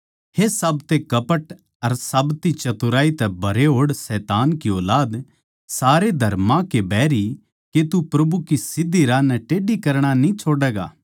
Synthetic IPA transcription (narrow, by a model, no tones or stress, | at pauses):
hesɐbt̪ekɐpəʈ | ɐɾsaːbt̪it͡ʃɐt̪uɾaːit̪ɛbʱɐɾeɦoːɽsɛːt̪aːnkioːlaːd̪ | saːɾed̪ʱɐɾmãkebɛːɾi | ket̪upɾɐbʱukisɪd̪ːiɾãnɛʈeːɖikɐɾɽ̃anĩt͡ʃʰoːɖɛːɡa̰ː